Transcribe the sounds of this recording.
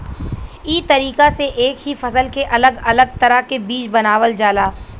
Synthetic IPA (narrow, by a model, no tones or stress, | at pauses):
iːt̪ɐɾiːkaseʔeːkɦifɐsəlkeʔɐləɡɐləɡ̚t̪ɐɾəɦkebiːt͡ʃbɐnaːʋəld͡ʒaːlaː